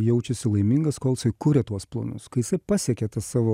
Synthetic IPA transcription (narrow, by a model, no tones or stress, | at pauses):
jɛʊt͡ʃʲɛsʲɪlˠɐɪmʲiŋɡɐskoːlʲˠsɐɪkʊɾʲɛt̪uɔsplˠɐ̰nʊ̰skɐɪjɪsɐɪpɑsʲiɛkʲɛt̪ɐsɑːʋoː